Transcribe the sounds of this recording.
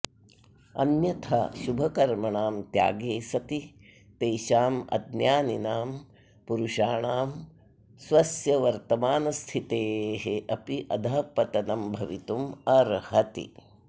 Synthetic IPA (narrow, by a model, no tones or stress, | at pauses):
ɐ̰njɐt̪ʰɐ̰ʃubʱɐkɐɾmɐɳaːmt̪ja̰ːɡeːsɐt̪i | t̪eːʃaːmɐ̰d̪njaːninaːm | puɾuʃaːɳaːm | sʋɐsjɐʋɐɾt̪ɐmaːnɐst̪ʰit̪eːɦeʔɐpiʔɐd̪ʱaːpɐt̪ɐnɐmbʱɐʋit̪umɐɾhɐt̪ḭ